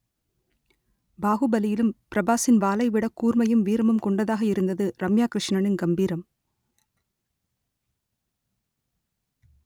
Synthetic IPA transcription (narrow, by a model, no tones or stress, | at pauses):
baːɣɯbɐlɪjɪlɯmpɪɾɐbaːsɪnʋaːlɐɪʋɪɽɐkːuːɾmɐjɯmʋiːɾɐmɐmkɔɳɖɐðaːɣɐɪɾɯnd̪ɐðɯɾɐmjaːkɾɪʂɳɐɳɪnɡɐmbiːɾɐm